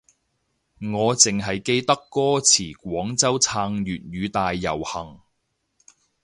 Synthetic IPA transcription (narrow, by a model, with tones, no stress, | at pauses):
ŋɔː˨˧t͡sɪ˨ŋɦɐ˨jke˧jt̪ɐ˥kːɔː˥t͡sʰiː˨˩kʷɔː˨˥ŋt͡sɐ˥wt͡sʰaː˧ŋjyː˨t̚jyː˨˧t̪aː˨jːɐ̰˨˩whɐ˨˩ŋ